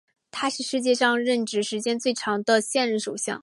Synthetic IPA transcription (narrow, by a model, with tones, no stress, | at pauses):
t̪ʰa˥ʂɻ̩˥˧ʂɻ̩˥˧t͡ɕjɛ˥˧ʂɑ˥˧ŋɻə˥˩nʈ͡ʂɻ̩˧˥ʂɻ̩˧˥t͡ɕjɛ˥nt͡swe˥˩ɪʈ͡ʂʰɑ˧˥ŋd̪ə˧ɕjɛ˥˧nɻə˥˩nʂo˨˩ɕjɑ̰˥˩ŋ